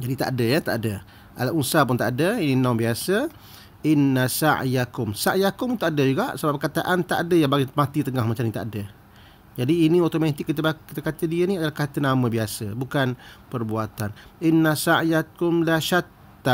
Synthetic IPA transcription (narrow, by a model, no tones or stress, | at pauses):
d͡ʒadit̪a̰ʔadəjat̪a̰ʔadə | ʔa̰laʔunsapʊnt̪aʔadəininawbiasə | ʔɪnːasaʕjakʊmsaʔjakʊmt̪ʊkadəd͡ʒuɡaʔsəbap̚kat̪aʔant̪a̰ʔadəjaŋbaɡimat̪it̪əŋahmat͡ʃamnit̪a̰ʔadə | d͡ʒadiːnĩot̪omãt̪ɪkːit̪əbakit̪əkat̪ədiəniadalahkat̪ənamə̃biasəbukanpərbuat̪anʔinːasaʔjat̪̚kʊmlaʃat̪ː | a